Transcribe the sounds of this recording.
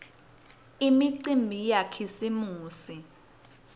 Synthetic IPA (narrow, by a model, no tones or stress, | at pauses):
imiǀimbʱijakʰisimuːsi